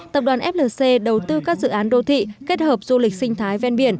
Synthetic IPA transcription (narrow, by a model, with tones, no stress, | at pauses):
t̪ə˨˩p̚ɗwaː˨˩nʔɛ˦˥p̚ləː˨˩se˧ɗə˨˩wt̪ɨ˧kaː˦˥k̚zɨ̰˧˨ʔaː˨˦nɗo˧t̪ʰḭ˧˨ke˦˥t̚həː˨˩p̚zu˧lï˨˩k̟̚sï˧ŋ̟t̪ʰaː˨˦jvɛ˧nɓi˧˩ən